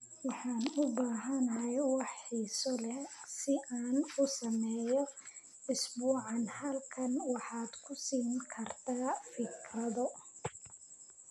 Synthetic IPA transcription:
wɑħɑːnʊbaːɦɐnɐɦɛjwɑħiːsɔlɛsɪʔaːnʊsɐmɛːjɔ | ɪsbuːʕɑnhɐlkʰɐnwɑħɑːd̪̥kʰʊsiːŋkʰɐrt̪ʰaːfɪkrɐðɔ

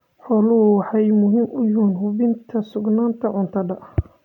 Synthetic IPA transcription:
ħɔːlʊwɑħɑjmʊɦɪmʊjʊnɦʊβɪnt̪ʰɐsʊɡnaːnt̪ʰɐʕʊnt̪ʰɐɖɐ

